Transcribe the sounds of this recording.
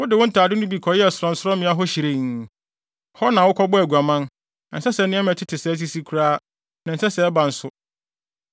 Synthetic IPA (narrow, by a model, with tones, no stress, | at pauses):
wʊ˦dɪ˨wʊ˦n̩˦tʰaː˨dɪ˦nʊ̃˦bi˨kʰɔ˨jɛ˦˨sʊ˨ɾɔ̃˨n̩˨˦sɔ˦mɪ̃˨˦a˦ɦɔ˦ɕi˨ɾe˦˨ŋ˨ | hɔ˦nã˨wʊ˦kʰɔ˦bʊ˦æ˨ɡu˨a˨mã˦n | nã˨n̩˨sɛ˦sɛ˨˦nɪ̃˦ɛ˦mɛ̃˨tʰɪ˦tʰɪ˨sɛ˨˦s̬i˦si˦kʰu˨ɾaː˦ | nã˨n̩˨sɛ˦sɛ˨ɛ˦ba˨n̩˨sʊ˦